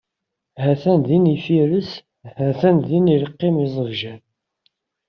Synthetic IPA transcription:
hæθænðinifiɾəs | hæθænðiniləqːɪmizˤəvʒæn

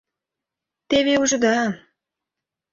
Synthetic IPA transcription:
t̪eβeuʒɤ̆d̪ɑ

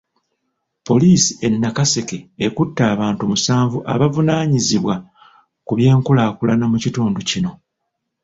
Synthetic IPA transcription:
po̞liːsi̥e̞nːakase̞ke̞ekutːaːβaːntumusaːɱvuʔa̰βavunaːɲiziβwa | kuβje̞ːŋkulaːkulanamucituːnducino̞

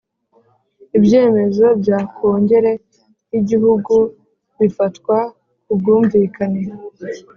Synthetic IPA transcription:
ibje̞ːme̞zo̞bjaːkʰoːɲɟe̞ɾe̞ | jiɟihuɡu | βifatkwa | kub̚ɡuːɱviːkane

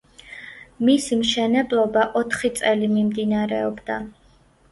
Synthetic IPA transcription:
misimʃɛnɛblˠɔbaʔɔt̪ʰχit̪sʼɛlimimd̪inaɾɛɔbd̪a

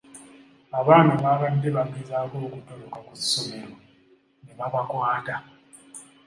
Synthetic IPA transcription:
aβanaβakandeβaɡizakokutɔlɔkakusomelɔ | neβaβakwaːda

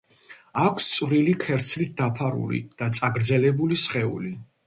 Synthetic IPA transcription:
akʷʰst̪sʼvɾilikʰɛɾt̪sʰlit̪̚d̪apʰaɾṵlḭd̪̥at̪sʼaɡɾd̪zɛlɛbulisχɛṵli

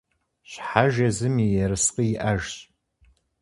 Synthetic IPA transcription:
ɕħaʒɐzɨmijɛɾɨsqʼijɪʔɐʒɕʼ

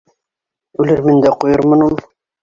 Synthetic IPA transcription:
ʉlɘɾmɘ̆nd̪æqujɤɾmɤ̆numˠ

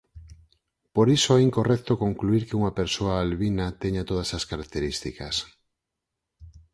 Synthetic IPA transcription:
poɾisoɛiŋkorɛk̚t̪okoŋkluiɾkeuŋɐpeɾsoaːlβinat̪eɲat̪oð̞ɐsaskaɾak̚t̪eɾist̪ikɐs

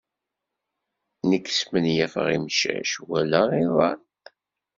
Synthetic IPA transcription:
nəkːə̥smənjæfə̰ʁḭmʃæ̰ʃwælæiðˤɑn

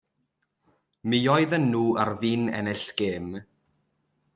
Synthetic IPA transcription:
miɔjðənːuːʔarviːnɛ̰nɛɬɡ̥eːm

